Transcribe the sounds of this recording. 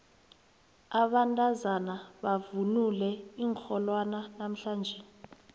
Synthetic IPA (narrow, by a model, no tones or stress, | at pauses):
aɓantʼazanaɓavunulɛiːŋxʰɔlwananam̩ɬaːnd͡ʒʱɛ